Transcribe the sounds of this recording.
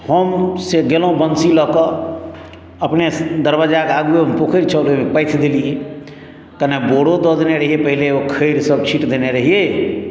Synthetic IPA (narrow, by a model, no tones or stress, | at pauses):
həmseɡelõbənsilɔkɔ | əpned̪əɾbad͡ʒakaɡueɦəmpokʰəɾt͡ʃʰəlemepəɪt̪ʰd̪eliɦe | kəneboɽod̪ɔd̪eneɾəɦijepəɦileokʰəɪɾsəb̚t͡ʃʰiʈd̪eneɾəɦije